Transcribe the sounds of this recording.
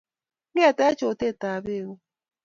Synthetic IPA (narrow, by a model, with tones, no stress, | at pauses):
ɡe˦a˨tɛ˦t͡ʃo˨te˦˨ta˨be˦wo˦